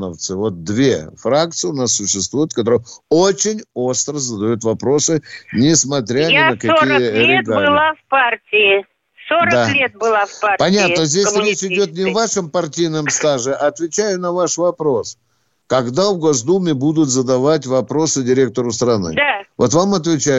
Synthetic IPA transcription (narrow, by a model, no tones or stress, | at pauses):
nə̰ft̪sɨvo̞t̪̚d̪vʲḛfɾakt̪sɨʊnasːʊɕːɪst̪vujʊt̪kɐt̪o̞ɾəjot͡ɕɪnʲo̞st̪ɾəzəd̪ɐjut̪vɐpɾo̞sɨnʲɪsmɐt̪ɾʲanʲɪnəkɐkʲijəɾʲɪtɡablɨlˠafpartʲɪɪ | soɾəd̪alʲet̪̚bɨlˠafpapɐnʲat̪nəzʲdʲessɾʲet͡ɕɪdʲo̞t̪nʲɪvaʂɨmpɐrtʲijnəmst̪aʐɨʔɐːt̪vʲɪt͡ɕæjʊnɐvaʂvɐpɾo̞s | kɐɡd̪avɡo̞zd̪umʲɪbud̪ʊt̪zəd̪ɐvatʲvɐpɾo̞sɨdʲɪɾʲe̞k̚t̪əɾʊst̪ɾɐnɨ̰d̪avo̞t̪vamɐt̪vʲɪt͡ɕæj